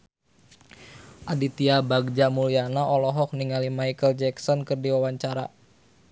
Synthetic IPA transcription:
ʔadit̪iabaɡ̚d͡ʒamulianaɔlɔɦɔk̚niŋalimajkəld͡ʒɛksɔnkərdiwawaɲt͡ʃaɾa

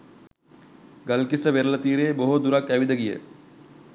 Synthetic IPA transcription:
ɡɐlkisəʋeɾəlɐt̪iːɾeːboɦod̪uɾakːæʋid̪əɡijə̰

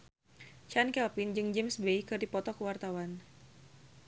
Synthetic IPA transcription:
t͡ʃankɛlpind͡ʒɨŋd͡ʒɛmsbejkɨrdipɔt̪ɔkəwart̪awan

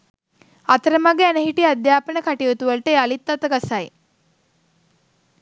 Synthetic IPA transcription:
at̪əɾəmaɡeænəɦiʈiad̪jaːpənəkaʈiʋut̪uʋəlʈəalit̪ːat̪əɡasaj

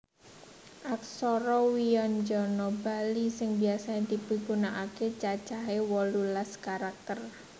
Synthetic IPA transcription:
ʔaksɔɾɔwijɔnd͡ʒɔnɔbalisɪŋbiasaɲad̪̥i̤b̥ə̤ɡunaʔaket͡ʃḁt͡ʃaɦewɔlulaskaɾak̚t̪ər

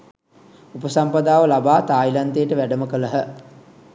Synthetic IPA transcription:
upəsampad̪aːʋəlabaːt̪aːilant̪ejəʈəʋæɖəməkələɦə

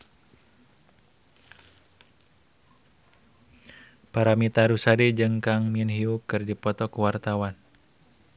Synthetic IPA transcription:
paɾamit̪aɾusaɾid͡ʒɨŋkaŋminɦiukɨrdipɔt̪ɔkəwart̪awan

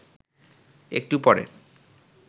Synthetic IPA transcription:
ḛk̚ʈupɔɾḛ

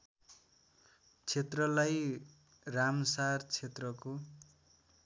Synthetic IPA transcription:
t͡sʰet̪rʌlaj | ramsart͡sʰet̪rʌko

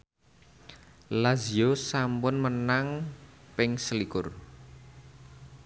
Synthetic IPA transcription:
laziosampʊnmənaŋpɪŋsəlikʊr

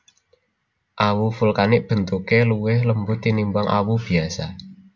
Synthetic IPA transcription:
ʔawufulkanɪʔb̥ə̤nt̪ukeluwɪhləmbʊt̪ːinimbuaŋʔa̰wub̥iasa

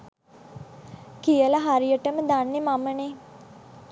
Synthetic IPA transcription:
kijəlaɦaɾijəʈəməd̪anːemaməne

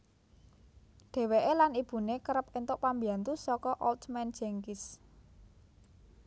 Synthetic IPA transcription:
ɖ̥ɛ̤weʔelanib̥ṳnekəɾəpent̪ʊʔpambiant̪usɔkɔʔɔlt̪mɛnd̥d͡ʒ̥ɛŋkɪs

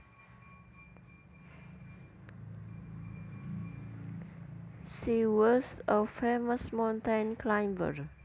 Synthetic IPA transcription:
ʃiwɔsəfeməsmãʊntãnkʰlãj̃mbə̰ɹ

